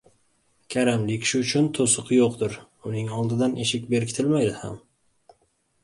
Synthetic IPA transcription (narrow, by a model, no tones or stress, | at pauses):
kʲʰaɾamlɪkʲʃʊʊt͡ʃʰʊnt̪ʰosʊqʰjoqt̪ɪɾ | ʊnɪŋɒlˠd̪ɪd̪aneʃɪkʲbe̞ɾɪkʰʲɪt̪ʰɪlmajd̪ɪha̰m